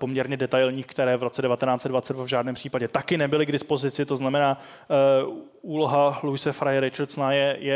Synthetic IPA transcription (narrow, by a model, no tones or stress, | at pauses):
po̞mɲɛɾɲɛdɛt̪ajlɲiːxkt̪ɛɾɛːvɾo̞t͡sɛdɛvat̪ɛnaːt͡sɛdvat͡sɛd̪dvavʒaːdnɛːmpr̥iːpaɟɛt̪akɪnɛbɪlɪɡdɪspo̞zɪt͡sɪt̪o̞znamɛnaː | uːlo̞ɦalujɪsɛfɾajɛɾɪt͡ʃaɾsnajɛjɛ